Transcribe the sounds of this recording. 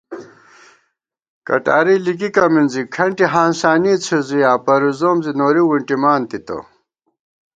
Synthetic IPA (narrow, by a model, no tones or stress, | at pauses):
kɐ̰ʈa̰ːɾilikikɐminzikʰɐɳʈiɦaːnsaːnit͡sʰiziaːpɐɾizoːmzinoːɾiwiɳʈimaːnt̪it̪o̰